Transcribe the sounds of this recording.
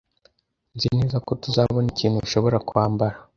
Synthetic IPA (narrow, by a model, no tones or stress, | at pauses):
nzineːzako̞tuzaβo̞niciːnhuβiʃo̞βo̞ɾakuhaːmbaɾa